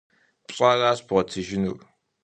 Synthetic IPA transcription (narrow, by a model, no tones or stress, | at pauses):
pɕʼaːraːɕb̥ʁɐtʰɨʒɪnṵr